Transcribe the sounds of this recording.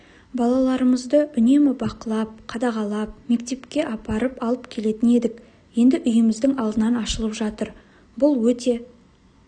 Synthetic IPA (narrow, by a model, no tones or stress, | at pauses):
bɑlˠɑlˠɑɾəməzd̪əʔʏne̞mɪbɑqəlˠɑp̚qʰɑd̪ɑʁɑlˠɑp̚me̞kt̪e̞pkʲe̞ʔɑpɑɾəpɑlˠəpkʲʰe̞le̞t̪ɪne̞d̪ɪk | je̞nd̪ɪʔʏjəmɪzd̪ɪŋɑlˠd̪ənɑnɑʃəlˠəpʒɑt̪əɾ | bʊlˠwɵt̪e̞